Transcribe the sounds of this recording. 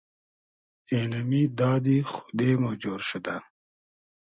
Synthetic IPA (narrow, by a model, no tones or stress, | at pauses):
eːlɐmiːd̪aːd̪ixu̥d̪eːmod͡ʑoːɾɕud̪a